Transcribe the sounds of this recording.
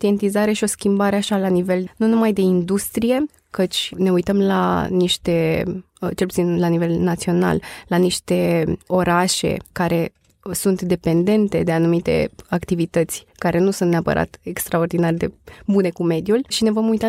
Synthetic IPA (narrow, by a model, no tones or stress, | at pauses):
t̪ient̪izaɾe̞ʃio̞skʲimbaɾeaʃalanive̞lnunumajd̪e̞ind̪ust̪ɾije̞ | kət͡ʃʲne̞ujt̪əmla̰niʃt̪e̞ | t͡ʃelput̪inlanive̞lnat̪sio̞na̰lːaniʃt̪e̞o̞ɾaʃe̞̰kaɾe̞ | sunt̪d̪e̞pe̞nd̪e̞nt̪e̞d̪e̞anumit̪e̞̰akt̪ivit̪ət̪sʲkaɾe̞nusunt̪neapə̰ɾʔa̰t̪e̞kst̪ɾao̞rd̪inarʲd̪e̞̰bune̞kume̞d̪julʲʃine̞vo̞mujt̪a